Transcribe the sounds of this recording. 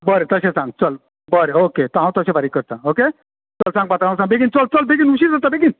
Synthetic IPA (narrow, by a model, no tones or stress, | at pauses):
bəɾet̪əsẽsãŋɡ̚t͡səl | bəɾeoket̪ɔɦãw̃t̪əsẽbaɾikːəɾt̪ãoke | t͡səlsãŋɡ̚bat̪aɦãw̃s̬ãŋɡ̚beɡint͡səlt͡səlbeɡinuɕiɾzəɾt̪abeɡin